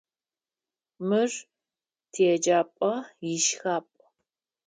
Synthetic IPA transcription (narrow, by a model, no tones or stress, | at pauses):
mɨr | tʰeɛd͡ʒaːpʼɐjɪʃxaːpʷʼ